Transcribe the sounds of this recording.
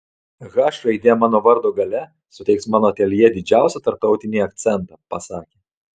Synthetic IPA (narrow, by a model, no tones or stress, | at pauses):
ɣɑːʃɾɐɪd̪ʲeːmɑːnoːʋɐɾd̪oːɡɐlʲɛ | sʊt̪ʲɛɪksmɑːnoːt̪ʲɛlʲjɛd̪ʲɪd͡ʒʲæˑʊsʲɛt̪ɐɾp̚t̪ɒʊt̪ʲɪnʲiɐk̚t̪sʲɛnt̪ɑpɐsɑːkʲeː